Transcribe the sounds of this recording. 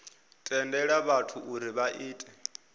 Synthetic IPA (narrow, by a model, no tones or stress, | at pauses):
tʼɛndɛɺaβatʰuʔuɾiβaʔiːtʼɛ